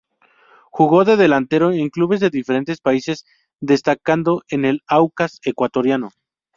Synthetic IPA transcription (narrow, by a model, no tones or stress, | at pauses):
xuɣo̞ðe̞ðe̞lant̪e̞ɾo̞eŋkluβe̞zðe̞ðife̞ɾe̞nt̪e̞spaise̞z | ðe̞st̪akand̪o̞ʔe̞ne̞lawkasekwat̪o̞ɾjano̞